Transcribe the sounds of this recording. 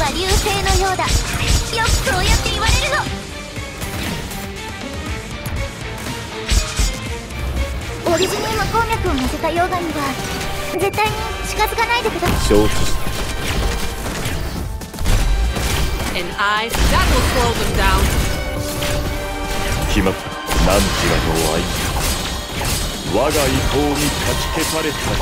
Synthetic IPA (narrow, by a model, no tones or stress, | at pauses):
βaɾʲɨːse̞ːno̞jo̞ːd̪ajokkɯojat̪ːe̞iβaɾe̞ɾɯ̟no̞ | oɾʲiziɲ̟imako̞ːmʲakɯ̟omot̪et̪ajo̞ːɡamʲiɡa | ze̞t̪ːaiɲ̟i | ɕi̥kazɨkanaid̪eked̪oo | ɛ̃naɪɡaɾlˠkʰoʊvɨ̃ndãʊ̃n | kʲima | nãɲt͡ɕiɾanoa̰i | βaɡaihoːɲʲit̪ʰat͡ɕi̥ketaɾesa